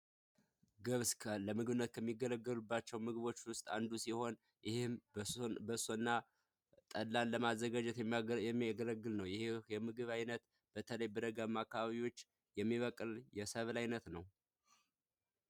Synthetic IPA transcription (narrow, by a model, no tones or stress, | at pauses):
ɡɨβskʰələmɨɡɨβɨnːət̪̚kʰəmːiɡːələɡːəlubːat͡ʃːɛwmɨɡɨβo̞t͡ʃːwʊst̪ʼa̰nd̪usiho̞n | jɪhɪmbəsonːa | t̪ʼəlːanləmazːəɡad͡ʒɛt̪jɛmːɛmːiaɡələɡːɨlnəwjɪhejɛmɨɡɨβajnət̪ | b̥ət̪ʰələjbɨɾəɡəmːakːaβaβiwo̞t͡ʃː | jɛmːiβəkʼɨljɛsəβlajnət̪nəw